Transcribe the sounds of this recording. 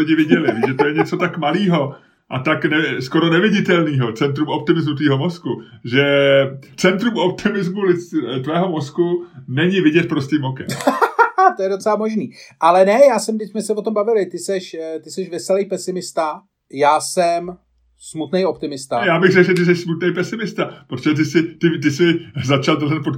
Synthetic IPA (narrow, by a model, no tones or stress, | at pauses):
lɪɟɪvɪɟɛlɪviːʒɛt̪ojɛɲɛt͡so̞t̪akmaliːɦo̞ | ʔat̪aknɛskoɾonɛvɪɟɪt̪ɛlniːɦo̞t͡sɛnt̪ɾumo̞p̚t̪ɪmɪzmut̪viːɦomo̞skuʒɛ | t͡sɛnt̪ɾumʔop̚t̪ʰɪmɪzmulɪt͡st̪vɛːɦo̞mo̞skunɛɲɪvɪɟɛt̪̚pɾostʲɪmokɛ̰m | t̪o̞jɛdo̞t͡sɛlamo̞ʒniːʔalɛnɛjaːsɛmdɪcsmɛsɛvo̞t̪o̞mbavɪlɪt̪ɪsɛʃt̪ɪsɛʃvɛsɛlejpɛsɪmɪst̪a | jaːsɛm | smut̪nɛjopt̪ɪmɪst̪ajaːbɪɣrɛkʒɛt̪̬ɪs̬ɛʃsmut̪nɛjpɛsɪmɪst̪apɾot̪oʒɛt̪ɪsɪt̪ɪt̪ɪsɪzat͡ʃald̪l̩zɛnpot̪